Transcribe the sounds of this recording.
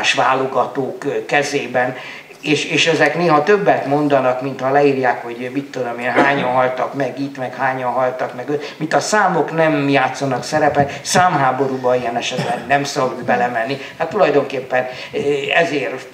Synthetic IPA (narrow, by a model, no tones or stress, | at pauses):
ʃʋa̰ːlo̞ɡɒt̪oːkkːɛzeːbɛn | eːʃeːʃɛzɛkneːɦɒt̪øbːɛt̪mo̞nd̪ɒnɒkmint̪hɒlɛiːrjaːkho̞ɟmit̪ːod̪omeːnɦaːɲɒnɦɒlt̪ɒkmɛɡit̪mɛkhaːɲɒnɦɒlt̪ɒkmɛɡøt̪mint̪ɒsaːmo̞knɛmjaːt̪sɒnɒksɛɾɛpɛt̪saːmɦaːbo̞ɾuːbɒijɛnɛʃɛt̪lɛnnɛmsɒbud̪bɛlɛmɛnːi | hat̪ːulɒjd̪o̞ŋkeːpːɛn | ɛzeːr